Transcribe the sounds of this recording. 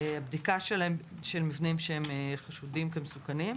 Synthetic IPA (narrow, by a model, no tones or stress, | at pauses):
abdikaʃelaemʃelmivnimʃehemeχaʃudimkemesukanim